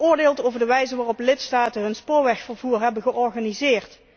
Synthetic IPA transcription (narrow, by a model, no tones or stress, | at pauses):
ʊːɹdeːlˠtowvəɹdəʋɛjzəʋaːrɔplɪtstaːtəɦɵnspʊːɹʋɛxfəɹvuːɹɦɛbənɣəʔɔɹχaːnizɪːrt